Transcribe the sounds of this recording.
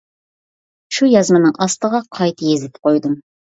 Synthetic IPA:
ʃujɑzmɑnɨŋʔɑst̪əʁɑqʰɑjt̪jezɪt̪ʰɪ̥p̚qʰojd̪ɨm

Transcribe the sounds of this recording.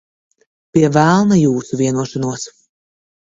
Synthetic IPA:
pʲiɛvælˠnajuːsuvʲiɛnuɔʃanuɔs

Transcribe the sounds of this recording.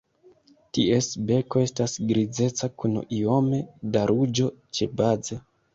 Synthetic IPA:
tie̞sbe̞ko̞e̞stasɡɾid͡ze̞t͡sakuno̰ʔio̞me̞daɾud͡ʒo̞t͡ʃe̞baze

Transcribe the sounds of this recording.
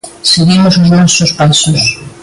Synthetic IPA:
seɣimosozmansospasos

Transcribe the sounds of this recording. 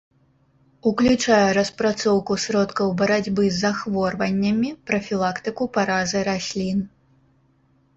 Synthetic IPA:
uklʲut͡ʂajɛɾɐspɾat̪sɔwkusɾɔt̪kɐwbɐɾad͡zʲbɨzːaxvɔrvɐnʲːɐmʲipɾɐfʲilˠakt̪ɨkupaɾazɨɾasʲlʲin

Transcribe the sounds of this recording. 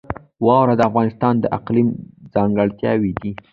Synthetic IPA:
wɑwɾad̪əafɣɑnɪst̪ɑnd̪əʔaqlimd͡zɑŋɡəɽt̪jɑ̰wid̪i

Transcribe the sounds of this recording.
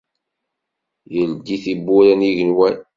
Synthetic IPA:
jəld̪iθibːuɾænjiʝənwæn

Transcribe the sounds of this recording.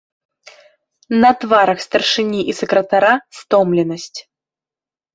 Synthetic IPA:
nɐt̪vaɾɐxst̪ɐrʂɨnʲiʔisɛkɾɐt̪aɾast̪ɔmlʲɛnəsʲt͡sʲ

